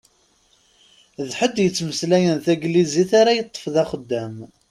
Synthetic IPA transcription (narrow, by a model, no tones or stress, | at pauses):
ðħəd̪jət͡sːməslæjənθæɡliziθaɾajət̪ˤːə̥fðɑχəd̪ːæm